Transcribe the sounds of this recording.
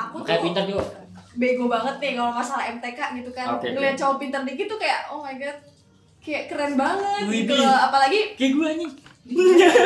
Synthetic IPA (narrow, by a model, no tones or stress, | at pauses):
apukajaʔpint̪ərd͡ʒuɡabeɡobaŋət̪̚nɪkalomasalaɛmt̪ekaʔɡit̪ukanɡəlat͡ʃawapint̪ərdiɡit̪ukajaʔɔmaɡat̪̚ | kajaʔkəɾɛnbaŋət̪it̪uapalaɡikiɡuaɲi